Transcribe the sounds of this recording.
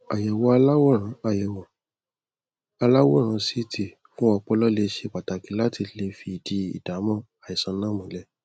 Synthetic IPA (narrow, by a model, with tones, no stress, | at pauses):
a˨jɛ˨wɔ˧˦a˧la˦wɔ˦˨ɾ̃ã˨˦a˨jɛ˨wɔ˨ | a˧la˦wɔ˦˨ɾ̃ã˨˦si˦ti˦˨ | fũ˦ɔ˧k͡pɔ˧lɔ˦le˧ʃe˧˨k͡pa˨ta˨ki˨˦la˦ti˧le˧fi˧i˨di˨˦ḭ˨da˨˦mɔ̃˦˨ | a˨i˨sã˨˧nãː˦mũ˨˦lɛ˦